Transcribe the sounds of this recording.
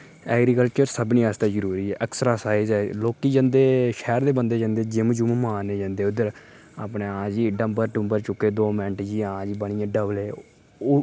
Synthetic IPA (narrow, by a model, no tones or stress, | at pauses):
ɛːɡɾiːkəlt͡ʃəɾsəbniːaːst̪aːzəɾuːɾiːɛːʔəksəɾaːsaːɪzɛːloːkiːd͡ʒə̃ːnd̪eːʃɛːɾd̪eːbənd̪eːd͡ʒə̃ːnd̪eːd͡ʒɪmd͡ʒummãːneːd͡ʒãːnd̪eːʊd̪əɾ | apɳeːãːd͡ʒiːɖəmbəɾʈʊ̃mbəɾt͡ʃʊkːeːd̪oːmɛ̃ɳʈd͡ʒiːãːd͡ʒiːbəɳ̃ɪjãːɖəbleː